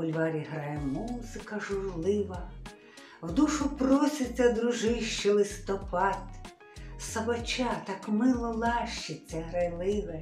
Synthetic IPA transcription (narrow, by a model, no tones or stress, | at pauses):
bʊlʲʋɑɾʲiɦɾɑjɛmuzɪkɐʒʊrlˠɪʋɐ | wd̪uʃʊprɔsʲɪt͡sʲːɐd̪ɾʊʒɪʃt͡ʃɛlˠɪst̪ɔpʰɑt̪ | sɐbɐt͡ʃʲat̪ɑkmɪlˠɔlˠɑʃt͡ʃɪt͡sʲːɐɦɾɐjlˠɪʋɛ